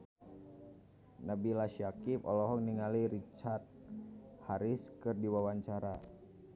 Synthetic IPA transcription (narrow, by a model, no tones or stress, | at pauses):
nabilaʃiakipɔ̰lɔɦɔŋniŋaliɾit͡ʃart̪̚haɾɪskɨrdiwawaɲt͡ʃaɾa